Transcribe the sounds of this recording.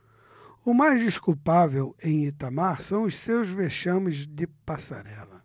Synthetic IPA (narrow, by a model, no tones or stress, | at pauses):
ʊmajzd̪iʃskuwpavewẽj̃it̪amaɾsɐ̃w̃ʊssewzveʃɐ̃mɪzd̪ɪpasa̰ɾɛlɐ